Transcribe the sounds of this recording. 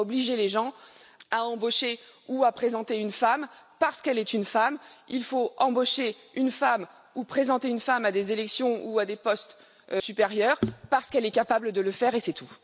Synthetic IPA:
ɔbliʒeleʒɑ̃aɑ̃boʃeuapχezɑ̃t̪eynfampaʁsə̥kɛlɛt̪ynfamilfoɑ̃boʃe | ynfam | upχezɑ̃t̪eynfamad̪ezelɛksjɔ̃uad̪epɔst̪ | sypeʁjœʁpaʁsə̥kɛlɛkapabləd̪ələfɛʁesɛt̪ʰu

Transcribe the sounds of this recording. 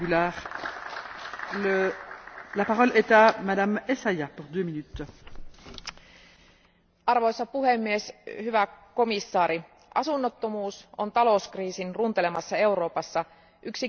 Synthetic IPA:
ylaːʁ | ə | lapaʁɔlet̪amad̪amesajapuʁd̪øːminyt̪ | ɑrʋo̞jsːɑpuɦemːieshyʋæko̞misːɑːɾi | ʔɑsunːot̪ːo̞muːso̞nt̪ɑlo̞skriːsinrunt̪e̞le̞mɑsːɑe̞wɾo̞ːpɑsːɑ | ʔyksi

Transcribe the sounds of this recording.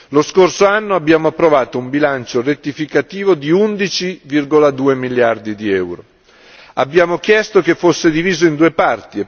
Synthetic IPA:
loskorsoanːoabːjaːmoapːɾovaːt̪oumbilant͡ʃoret̪ːifikat̪iːvod̪iund̪it͡ʃivirɡolad̪uːemiljard̪id̪iɛwɾo | a̰bːjaːmokjɛst̪okefːosːed̪iviːzoind̪uːepart̪i

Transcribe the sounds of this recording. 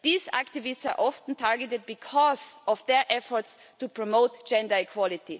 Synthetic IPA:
ðiːzæ̰ktɪvɪstsa̰ɹʔɔfn̩tʰaɹɡətɪd̚bikʰɔzɔfðɛ˞ʔɛfɔɹts | tupʰɹɔmoʊtd͡ʒ̥ɛ̃ndə˞ikʰwɔlɪti

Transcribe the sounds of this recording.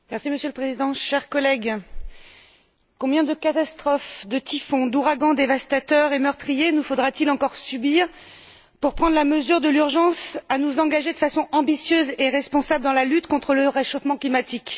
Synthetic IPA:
mɛʁsiməsjøləpχezid̪ɑ̃ʃɛʁkɔlɛɡ | kɔ̃bjɛ̃d̪əkat̪ast̪χɔfd̪ət̪ifɔ̃d̪uʁaɡɑ̃d̪evast̪at̪œʁemœʁt̪χijenufod̪ʁat̪ilɑ̃kɔʁsybiʁ | puʁpχɑ̃d̪ʁlaməzyʁd̪əlyʁʒɑ̃sanuzɑ̃ɡaʒed̪əfasɔ̃ʔɑ̃bisjøzeʁɛspɔ̃sabləd̪ɑ̃lalyt̪kɔ̃t̪χələʁeʃofmɑ̃klimat̪ik

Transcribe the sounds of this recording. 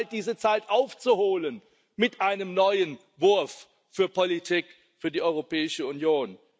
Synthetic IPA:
t̚d̥iːzət͡saɪtʔaʊft͡suhoːlən | mɪtʔaɪnəmnɔʏən | vʊɐf | fyːɐpɔlitʰik | fyːɐdiːʔɔʏʁopʰɛːɪʃəunjoːn

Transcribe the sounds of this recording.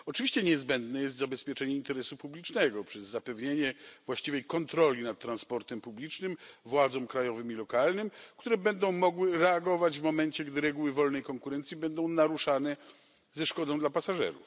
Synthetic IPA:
ɔt͡ʂɨvʲiɕt͡ɕɛɲɛzbɛnd̪nɛjɛst̪zabɛspʲjɛt͡ʂɛɲɛint̪ɛɾɛsupublʲit͡ʂnɛɡɔpʂɛzːapɛvɲeɲɛvwaɕt͡ɕivɛjkɔnt̪ɾɔlʲinat̪̚t̪ːɾanspɔɾt̪ɛmpublʲit͡ʂnɘmvwad̪zɔ̃mkɾajɔvɘmilɔkalnɘmkt̪uɾɛbɛnd̪ɔ̃w̃mɔɡwɘɾɛaɡɔvad͡ʑvmɔmɛnt͡ɕɛɡd̪ɘɾɛɡuwɘvɔlnɛjkɔŋkuɾɛnt̪sʲjibɛnd̪ɔ̃w̃naɾuʂanɛ | zɛʂkɔd̪ɔ̃w̃d̪lapasaʐɛ̰ɾṵf

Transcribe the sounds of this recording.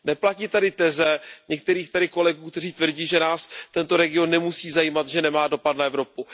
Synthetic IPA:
nɛplacit̪adɪt̪ɛzɛɲɛk̚t̪ɛɾiːxt̪aɾɪko̞lɛɡuːkt̪ɛriːt̪vr̩ɟiːʒɛnaːst̪ɛnt̪o̞ɾɛɡɪo̞nːɛmusiːzajiːmat̪ʒɛnɛmaːdo̞pat̪naɛvɾo̞pu

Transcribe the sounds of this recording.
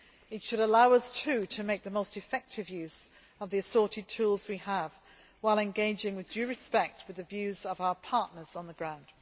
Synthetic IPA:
ɨtʃɨɾəlaʊʌstʰʉɾɨmeɪk̚ðəmoʊstɨfɛk̚tʰɨvjʉz̥ | ʌvðiɨsɔɹɾɨd̚tʰulˠzwiəv̥ | waɪlˠɨ̃nɡeɪd͡ʒɪ̃ŋwɨðdʉɹɨspɛk̚t̚wɨðɨvjʉzʌvaʊə˞pʰɑɹʔⁿnə˞z̥n̩ðəɡɹãʊ̃nd̥

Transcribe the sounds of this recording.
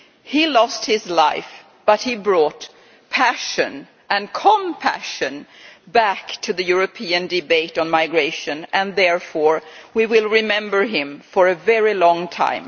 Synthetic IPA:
hilɔst̚hɪzlaɪf | b̥ʌt̚hibɹɔt | pʰæʃɨ̰̃n | ʔɨ̃nkʰə̃mpʰæ̰ʃɨ̃nbæktʰɨðɨjʊɹɨpʰiɨ̃ndɨbeɪɾn̩maɪɡɹeɪʃɨ̃nʔɨ̃nðɛɹfɔɹwiwɪlˠɹɪmɛ̃mbə˞ɪ̃ɱfə˞ɨvɛɹilɔ̃ŋtʰã̰ɪ̃m

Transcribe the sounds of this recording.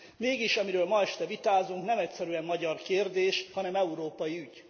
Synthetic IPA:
meːɡiʃɒmiɾøːlmɒɛʃt̪ɛvit̪aːzuŋknɛmɛcsɛɾyɛmːɒɟɒrkeːrd̪eːʃhɒnɛmɛuɾoːpɒjiyɟ

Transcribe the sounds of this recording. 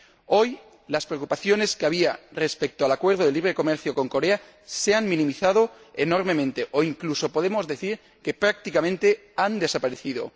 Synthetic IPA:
o̞j | laspɾeokupaθjo̞ne̞skeaβ̞iare̞spek̚t̪oalakwe̞ɾð̞oðeliβ̞ɾe̞ko̞meɾθjoko̞ŋko̞ɾea | seanmĩnĩmiθað̞o | eno̞ɾme̞mẽ̞nt̪eʔoiŋkluso̞po̞ð̞e̞mo̞zðe̞θiɾ | ke̞pɾak̚t̪ikamẽnt̪e̞ | and̪e̞sapaɾeθiðo̞̰

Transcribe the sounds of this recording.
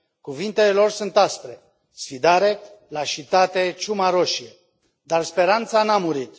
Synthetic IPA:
kuvint̪e̞elo̞rsunt̪asp̪ɾe̞ | sfid̪aɾe̞laʃit̪at̪e̞t͡ʃumaɾo̞ʃie | d̪arspe̞ɾant̪sanamuɾit̪

